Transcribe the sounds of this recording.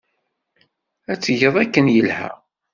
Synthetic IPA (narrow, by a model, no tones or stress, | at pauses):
æt͡sːʝəðˤækːənjəlhæ̰